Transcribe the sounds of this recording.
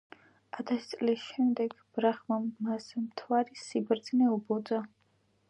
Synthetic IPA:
at̪ʰast̪sʼlisʃɛmd̪ɛɡ̥ | b̥ɾaχmamasmt̪ʰwaɾisibɾd̪znɛubɔd̪a

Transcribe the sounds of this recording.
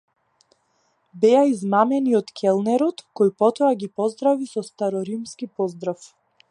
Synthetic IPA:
bɛaizmamɛniɔt̪kʰɛlˠnɛɾɔt̪kɔjpɔt̪ɔaɡipɔzd̪ɾavisɔst̪aɾɔɾimskipɔzd̪ɾaf

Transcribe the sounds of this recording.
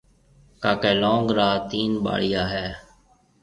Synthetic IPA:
kaːkeːlõːŋɡɾaːt̪iːnɓa̰ːɭɪjaːɦɛː

